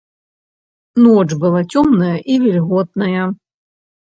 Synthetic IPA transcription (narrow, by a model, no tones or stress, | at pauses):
nɔt͡ʂbɨlˠat͡sʲɔmnɐjɐʔivʲilʲɣɔt̪̚nɐjɐ